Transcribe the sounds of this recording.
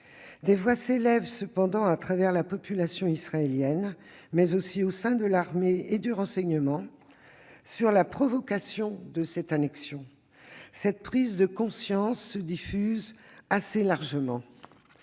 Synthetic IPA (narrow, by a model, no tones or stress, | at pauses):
d̪evwaselɛvsəpɑ̃d̪ɑ̃at̪χavɛʁlapɔpylasjɔ̃isχaeljɛn | mɛzosiosɛ̃d̪əlaʁmeed̪yʁɑ̃sɛɲəmɑ̃ | syʁlapχɔvɔkasjɔ̃d̪əsɛt̪anɛksjɔ̃ | sɛt̪̚pχizd̪əkɔ̃sjɑ̃sːəd̪ifyzaselaʁʒəmɑ̃